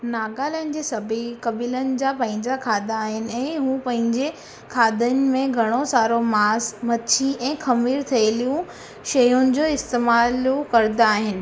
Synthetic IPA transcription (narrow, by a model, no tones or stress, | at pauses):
naːɡaːlənɪ̆d͡ʑeːsɐbʱikɐbilənɪ̆d͡ʑapɐ̃ɦɪ̃ɲd͡ʑakʰaːd̪aːɦɪnɪ̆ɛ̃ːɦũːpɐ̃ɦɪ̃ɲd͡ʑe | kʰaːd̪ənɪ̆mẽɡʱɐɽ̃osaːɾomaːsmɐt͡ɕʰiɛ̃ːxɐmiːɾt̪ʰɐelijũ | ʃɐjʊnɪ̆d͡ʑoːɪst̪eːmaːlokɐɾd̪aːɦɪnɪ̆